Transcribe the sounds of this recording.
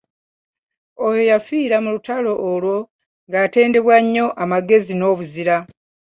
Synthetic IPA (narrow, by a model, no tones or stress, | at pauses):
ojo̞jafiːɾamulutalo̞ʔːlwo̞ | ŋɡaːte̞ːnde̞βwaɲːo̞ʔamaɡe̞zino̞ːβuziɾa